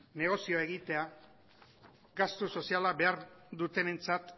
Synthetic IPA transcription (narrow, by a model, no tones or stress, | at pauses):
ne̞ɣ̞o̞sioe̞ɣit̪e̞a | ɡast̪uso̞sialabe̞aɾd̪ut̪e̞ne̞nt͡sat̪